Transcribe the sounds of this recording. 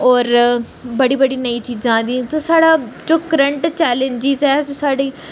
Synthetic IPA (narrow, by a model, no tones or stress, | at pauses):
ɔːɾ | bəɽiːbəɽiːnəiːt͡ʃiːd͡ʒãːd̪ĩːsoːsaːɽaːt͡ʃʊkɾəɳʈt͡ʃɛːlẽɲd͡ʒɪzɛːsõːsaːɽiː